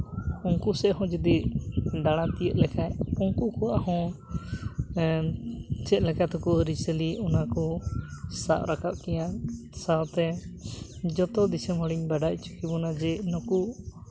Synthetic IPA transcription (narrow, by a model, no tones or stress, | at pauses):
uŋkusɛʔɦɔ̃d͡ʒəd̪iɖaɽ̃ãt̪ijət̪̚lɛkʰajuŋkukɔwahɔ̃ | t͡ʃɛt̪̚ˀlɛkat̪ɔkɔɾisəliɔnakɔ | sa̰ʔɾakap̚kɛjasat̪ɛ | d͡ʒɔt̪ɔd̪isəmɔɽiɲbaɖaʔ̚t͡ʃu̥kibɔnad͡ʒɛnɔkuʔ